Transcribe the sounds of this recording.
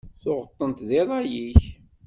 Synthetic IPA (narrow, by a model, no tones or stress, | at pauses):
θʊʁət̪ˤːənt̪ðɪðˤɑjiç